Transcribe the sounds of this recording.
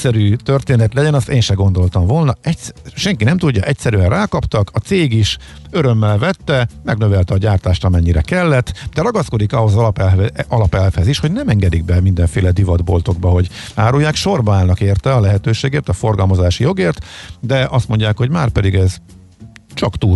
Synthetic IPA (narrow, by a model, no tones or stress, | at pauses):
sɛɾyːt̪ørt̪eːnɛt̪lɛɟɛnɒst̪eːnʃɛɡo̞nd̪o̞lt̪ɒɱvoːlnɒɛcsʃɛŋkinɛmt̪uɟːɒʔɛcsɛɾyɛnraːkɒpt̪ɒkʰɒt̪seːɡiʃ | øɾø̞mːɛlvɛt̪ːɛmɛɡnø̞vɛlt̪ɛɒɟaːrt̪aːʃt̪ɒmɛɲːiɾɛkɛlːɛt̪ːd̪ɛɾɒɡɒsko̞d̪ikɒɦo̞zpɛɒlɒpɛlfhɛziʃho̞ɟnɛmɛŋɡɛd̪iɡ̚bɛmind̪ɛɱfeːlɛd̪ivɒd̪bo̞̰lt̪o̞ɡ̚bɒɦo̞ɟaːɾujːaːkʃo̞rbɒaːlnɒkeːrt̪ɛɒlɛɦɛt̪øːʃeːɡeːrt̪ɒfo̞rɡɒlmɒzaːʃijo̞ɡeːrt̪d̪ɛʔɒst̪mo̞ɲɟaːkho̞ɟmaːrpɛd̪iɡɛz | t͡ʃɒkt̪uː